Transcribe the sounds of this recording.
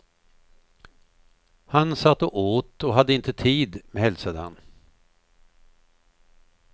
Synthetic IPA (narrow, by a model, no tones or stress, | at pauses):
hansat̪ːɔʔoːt̪ɔɦad̪ːəɪnt̪ət̪ʰiːd̪mɛhɛlsad̪əha̰n